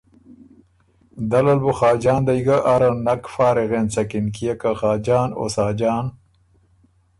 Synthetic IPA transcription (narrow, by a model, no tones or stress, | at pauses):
d̪ɐlɐlbuxaːd͡ʒaːnd̪aiɡaʔːɾɐnːɐkfaːɾeɣent͡sɐkinkijakaxaːd͡ʒaːno̰saːd͡ʒaːn